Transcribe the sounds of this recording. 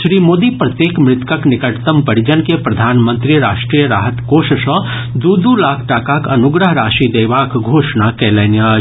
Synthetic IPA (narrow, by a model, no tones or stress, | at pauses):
ʃɾiːmoːd̪ipɾɐt̪jeːkmɾɪt̪kəknɪkəʈt̪əmpɐɽɪd͡ʒənkepɾɐd̪ʱaːnmə̃nt̪ɾiɾaːʃʈɾijəɾaːɦət̪koːʃəʃɔ̃ | d̪uːd̪uːlaːkʰʈaːkaːkɐnʊɡɾəɦɾaːʃid̪eːʋaːkɡʱoːʃnakɛːlɛːnja